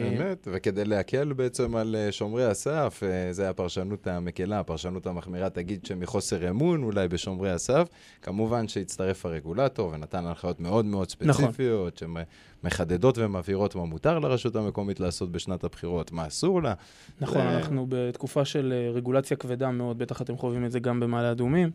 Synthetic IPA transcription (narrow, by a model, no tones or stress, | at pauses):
bemet̪veke̞d̪ejleakʰe̞lbeet͡se̞maleʃo̞mʁeasafzeajapaʁʃanutame̞kelaːpaʁʃanuthamaχmiʁat̪aɡid̪̚ʃemiχo̞se̞ʁemunulajbe̞ʃo̞mʁejasaf | kamuvanʃejit͡st̪aʁe̞faʁe̞ɡulato̞ʁve̞nat̪analχajo̞tme̞o̞d̪meo̞d̪spent͡sfijo̞t̪ʃeme | me̞χad̪e̞do̞tvemaviʁo̞tmamutaʁleʁeʃuthame̞ko̞mitlaːso̞t̪̚be̞ʃnatabχiʁo̞t̪maːsuʁla | naχonanaχnubet̪kufaʃe̞lʁeɡulat͡sjakved̪ameo̞d̪̚be̞t̪aχat̪e̞mχovimezeɡambe̞maːlead̪umim